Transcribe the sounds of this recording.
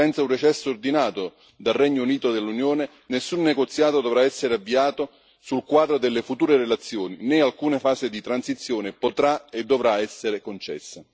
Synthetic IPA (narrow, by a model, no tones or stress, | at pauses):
ɛnt̪saunɾet͡ʃɛsːoːrd̪inaːt̪o | d̪alrɛɲːouniːt̪od̪elːunjoːne | nesːunːeɡot̪sːjaːt̪od̪ovɾaɛsːeɾavːiaːt̪o | sulkwaːd̪ɾod̪elːefut̪uːɾeɾelat̪sːjoːninɛalkuːnefaːzɪd̪it̪ɾansit̪sːjoːnɪpot̪ɾaed̪ːovɾaɛsːeɾekont͡ʃɛ̰sːa